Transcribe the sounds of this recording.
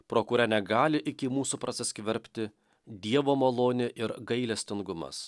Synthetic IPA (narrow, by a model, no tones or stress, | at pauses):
pɾoːkʊːɾʲɛnʲɛɡɑːlʲɪʔɪkʲɪmuːsupɾɐsʲɛsʲkʲʋʲɛɾʲpʲt̪ʲɪ | d̪ʲiɛʋoːmɐlˠoːnʲɪʔɪɾɡɐɪlʲɛsʲt̪ʲɪŋɡʊmɐ̰s